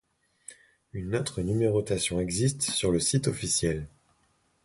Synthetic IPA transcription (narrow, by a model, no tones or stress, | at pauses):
ynot̪χənymeʁot̪asjɔ̃ɛɡzist̪syʁləsit̪ɔfisjɛl